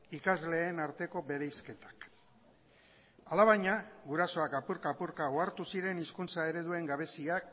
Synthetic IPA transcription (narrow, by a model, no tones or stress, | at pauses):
ikazle̞ːnaɾt̪e̞ko̞βe̞ɾejske̞t̪ḁk | alaβ̞ajɲaɡuɾaso̞akapuɾkapuɾkaoaɾt̪usiɾe̞niskunt͡sae̞ɾe̞ðue̞ŋɡaβ̞e̞siak